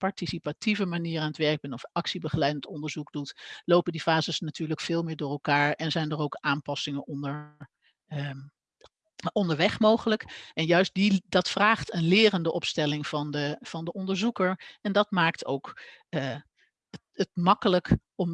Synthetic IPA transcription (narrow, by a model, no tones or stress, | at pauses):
pɑɹtisipativəmaniːɾaːnətʋɛɹɡ̚bɛnɔfɑksibəχəlɛjdəntɔndəɹzuɡdutlowpəndifaːzəsnatyːɹləkfɪːlˠmɪːɹdʊːrɛlˠkaːɹɛnzɛjndərowkʔaːmpɑsɪŋənʔɔndəɹ | ɔndəɹʋɛχmowχələkɛnjœɥst̚didɑtfraːχtənlɪːrəndəʔɔpstɛlɪŋvɑndəv̥ɑndəʔɔndəɹzukəɹɛndɑtmaːktowkː | ətmɑkələkɔm